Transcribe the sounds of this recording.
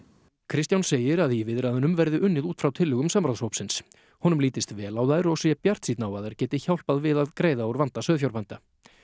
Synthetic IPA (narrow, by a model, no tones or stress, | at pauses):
kʰɾɪst̪jawnseːjɪɾaðivɪðɾaðʏnʏmvɛɾðɪʔʏnːɪðuːt̪fɾawt̪ʰɪlːʏɣʏmsampɾawshowpsɪns | hɔnʏmliːt̪ɪst̪vɛːlawðaðɪɾɔɣsjɛpjar̥t̪siːt̪nawaðaɾ̥cɛːt̪ɪçawlpaðvɪðaðkɾeːjðaɔɾvant̪asœːðfçawɾpant̪a